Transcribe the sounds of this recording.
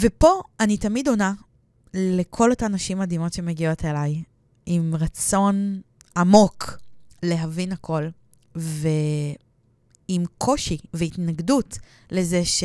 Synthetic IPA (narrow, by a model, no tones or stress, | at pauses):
vepo̞anitamido̞na | lekʰo̞lotanaʃimːad̪imo̞tʃe̞meɡio̞telaj | imʁat͡so̞n | amo̞kle̞ɦavinakʰo̞l | ve | imkʰo̞ʃiveitnaɡdut | le̞zeʃ